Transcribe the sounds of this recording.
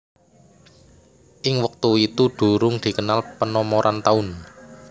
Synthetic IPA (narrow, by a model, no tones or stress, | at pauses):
ʔɪŋwək̚t̪uit̪uɖ̪̥ṳɾʊŋd̪̥i̤kənalpənɔmoɾʔant̪aʊn